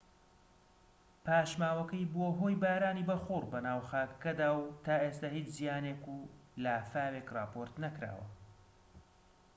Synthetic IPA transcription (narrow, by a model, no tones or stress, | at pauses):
pʰaːʃmaːwɐkɐjboɦojbaːɾaːniːbɐxurbɐnaːwxaːkɐ̥kɐd̪aːwt̪ʰaːʔeːst̪ahiːt͡ʃzijaːneːkuːlaːfaːweːkrɑːpʰo̞ɾt̪nɐkɾa̰ːwɐ̰